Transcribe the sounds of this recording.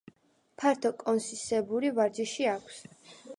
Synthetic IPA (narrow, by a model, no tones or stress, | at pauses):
pʰaɾt̪ʰɔkʼɔnsisɛbuɾivaɾd͡ʒɛʃiakʷʰs